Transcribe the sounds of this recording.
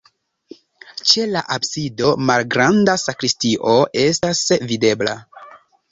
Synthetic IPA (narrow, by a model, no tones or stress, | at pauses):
t͡ʃe̞laʔabsido̞malɡɾandasakɾistiʔo̞e̞stasvide̞bla̰